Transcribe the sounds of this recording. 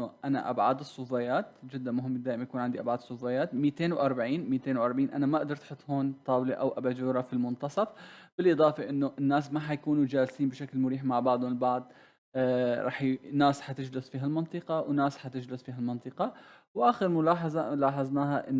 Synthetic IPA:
ʔana̰ʔabʕaːd̪ɨsˤːʊfajaːt̪d͡ʒɪd̪ːamʊɦɪmːd̪aːʔɪmajakuːnʕand̪iʔabʕaːd̪ɨsˤːʊfajaːt̪miːt̪eːnwʔɑɾˤbaʕiːnmiːt̪eːnwʔɑɾˤbaʕiːnʔa̰namaʔaʔd̪ɑɾˤt̪ħʊt̪ˤːhoːnt̪ˤɑːwliʔawʔabaːd͡ʒuːɾˤɑfilmʊnt̪ɑsˤɑfb̥ɪlʔɨd̪ˤɑːfɑʔɪnːʊʔɪnːaːs̬maħajkuːnud͡ʒaːlsiːmbɪʃaklmʊɾiːħmaʕbɑʕd̪ˤʊɪlbɑʕd̪ˤ | ɾˤɑ̰ːħnaːsħat̪ɪd͡ʒlʊsfiːɦalmɑnt̪ˤɨqɑwnaːsħat̪ɪd͡ʒlʊsfiːɦalmɑnt̪ˤɨqɑ | wʔaːxɪɾmʊlaːħɑzˤɑlaːħɑzˤnaːɦaʔɪnː

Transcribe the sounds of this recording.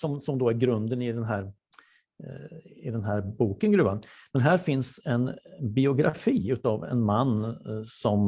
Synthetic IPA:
sɔmsɔmd̪oːæɾɡɾɵnd̪ənɪd̪ɛnɦæːɾ | ɪd̪ɛnɦæːɾbuːkənɡɾʉ̟ːvanmɛnɦæːɾfɪnsɛnbɪʊɡɾa̰fiːʉ̟ːt̪ɑːvɛ̰nmanːsɔm

